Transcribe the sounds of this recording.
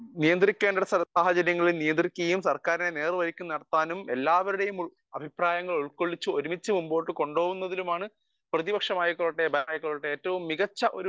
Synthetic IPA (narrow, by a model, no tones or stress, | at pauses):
nijɐnd̪rikʲːeːnɳɖuɽesɐsaːhɐt͡ɕɐɾjɐŋːɐɭilnijɐnd̪rikʲːɐɣɐjumsɐrkaːɾinene̞ːrʋɐɾikʲːumnɐɽɐt̪ːaːnume̞lːaːʋɐɾuɽe̞jumu | ɐbʱipraːjɐŋːɐɭuɭkːoɭːit͡ɕːuoɾumit͡ɕːɨmumboːʈːɨko̞ɳɖo̞ːɣunːɐðilumaːɳɨ | prɐðibɐkʂɐmaːjikːoɭːʈːebɐaːjikːoɭːʈːeeːtːɐʋumːiɣɐt͡ɕːɐʔo̞ɾu